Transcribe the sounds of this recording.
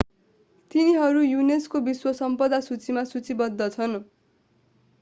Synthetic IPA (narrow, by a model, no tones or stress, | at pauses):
t̪iniɦʌɾujuneskobiswʌsʌmpʌd̪asut͡simasut͡sibʌd̪ʱːʌt͡sʰʌn